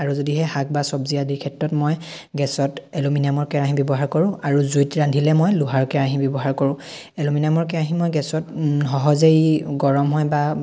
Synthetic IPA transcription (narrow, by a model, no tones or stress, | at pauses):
aɹuzodiɦɛhak̚basɔbziadiɹkʰɛtɹɔtmɔj | ɡɛsɔtɛlominamɔɹkɛɹaɦĩbɔbɔɦaɹkɔɹʊ̃aɹuzujtɹandʱilɛmɔjluɦaɹkɛɹaɦĩbɔbɔɦaɹkɔɹʊ̃ | ɛlominamɔɹkɛɹaɦĩmɔjɡɛsɔtɦɔɦɔzejɡɔɹɔmɦɔjba